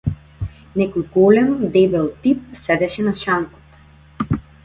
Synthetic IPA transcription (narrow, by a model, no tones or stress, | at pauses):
nɛkɔjɡɔlɛmd̪ɛbɛlˠt̪ip̚sɛd̪ɛʃɛnaʃaŋkɔ̥t̪